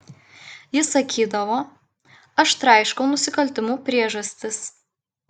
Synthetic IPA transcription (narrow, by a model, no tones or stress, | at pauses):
jɪsɐkʲʰiːd̪ɐʋoː | ɐʃt̪ɾɑɪʃkɐʊnʊsʲɪkɐlʲt̪ʲɪmuːpʲɾʲiɛʒɐsʲt̪ʲɪs